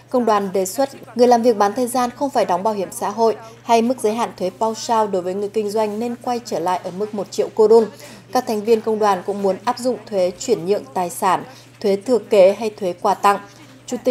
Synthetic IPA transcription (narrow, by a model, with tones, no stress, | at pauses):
kə˧wŋ͡mɗwaː˨˩nɗe˨˩swə˦˥t̚ŋɨ˩əjlaː˨˩mvi˨˩ək̚ɓaː˨˦nt̪ʰəː˨˩jzaː˧nxə˧wŋ͡mfaː˧˩jɗɔ˨˦wŋ͡mɓaː˧˩whi˧˩əmsa̰ː˧˥ɦo̰˧˨jha˧jmɨ˦˥k̚zəː˨˦jɦa̰ː˧˨nt̪ʰwe˨˦pa˧wsaː˧wɗo˨˦jvəː˨˦jŋɨ˨˩əjkï˧ŋ̟zwa˧jŋ̟ne˧nkwa˧jt͡ɕəː˧˩la̰ː˧˨jʔəː˧˩mɨ˦˥k̚mo˨˩t̚t͡ɕḭ˧˨əwko˧ɗo˧n | kaː˦˥k̚t̪ʰɛ˨˩jŋ̟vi˧ənkə˧wŋ͡mɗwaː˨˩nkʊ̰˧˥ŋ͡mmu˨˦ənʔaː˦˥p̚zʊ̰˧˨ŋ͡mt̪ʰwe˨˦t͡ɕwi˧˩ənɲɨ̰˧˨əŋt̪aː˨˩jsaː˧˩n | t̪ʰwe˨˦t̪ʰɨ˨˧˩əke˨˦ɦa˧jt̪ʰwe˨˦kwaː˧˩t̪a˧ŋ | t͡ɕu˧˩t̪i˨˩